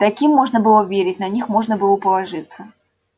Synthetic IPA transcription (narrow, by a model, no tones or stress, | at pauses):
t̪akʲimːɔʐnɐbɨlˠɔvʲeɾʲɪtʲnɐnʲixmɔʐnɐbɨlˠɔpɐlˠaʐɨt̪sːə